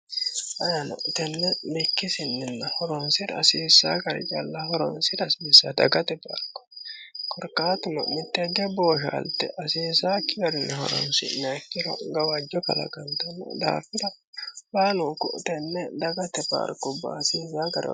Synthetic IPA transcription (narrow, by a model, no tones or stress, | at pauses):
ʔɐjɐnɐ̰t̪ɛnːɛmɪkːɪsɪnːɪnːɐhɔɾɔnsɪɾɐ̰siːsːaːkɐɾɪ̰d͡ʒʼalːɐhɔɾɔ̰nsɪɾɐsiːsːɐd̪ɐ̰ɡɐt̪ɛpa̰ːɾkʊ̥kʰɔɾkaːt̪ʊmɐ̰mɪt̪ːɛd̪ɛboːʃa̰ːlt̪ɛʔɐseːsaːkːɪbɐɾɪnɛhɔ̰ɾɔ̰nsɪ̰nɛkːɪɾɐ̰ɡɐwaːd͡ʒɔkɐ̰lɐ̰ɡɐnt̪ɐnːɐ̰d̪a̰ːfɪɾɐ | baːnukʊ̰ʔt̪ɛnːɛd̪ɐɡɐt̪ɛba̰ːɾkʊba̰ːsiːsaːkɐɾ̰